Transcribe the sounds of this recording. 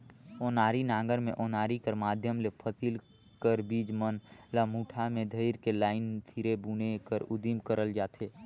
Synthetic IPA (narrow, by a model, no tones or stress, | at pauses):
oːnaːɾinãːŋɡəɾmḛ̃ʔoːnaːɾikəɾmaːd̪ʱjəmlepʰəsil | kəɾbiːd͡ʒmənlamuːʈʰamẽd̪ʱəɪɾkelaːɪnt̪ʰiɾebuːnekəɾʊd̪imkəɾəld͡ʒaːt̪eː